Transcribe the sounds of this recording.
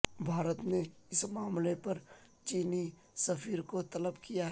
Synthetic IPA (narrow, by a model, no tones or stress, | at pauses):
bʱaːɾət̪ne | ɪsmaːmlepɐɾ | t͡ʃiːni | sɐfʰiːɾkot̪ɐləbkija